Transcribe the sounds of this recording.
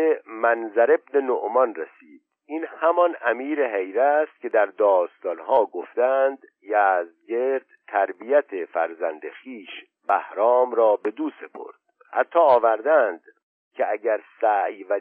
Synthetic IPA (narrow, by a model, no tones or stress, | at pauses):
emænzæɾe̞bnenoʔmɒnresiːd̪̥̚ | ʔiːnhæmɒnæmiːɾeɦejɾæst̪̚cʰʲe̞d̪æɾd̪ɒːst̪ɒːnɦɒːɡoft̪ænd̪ | jæːzɟe̞ɾd̪̥t̪ʰːæɾbijæt̪ʰefæ̰ɾzænd̪exiːʃ | bæhɾɒːmɾɒːbe̞d̪uːse̞pʰo̞̰ɾd̪̥ | hæ̰t̪ʰːɒːvæɾd̪ænd̪ | cʰeæɟæɾsæjvæ